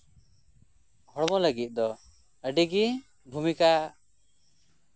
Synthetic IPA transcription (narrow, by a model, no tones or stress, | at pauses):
hɔɽɔmɔləɡit̪̚ˀd̪ɔ | əɖiɡi | bʱumika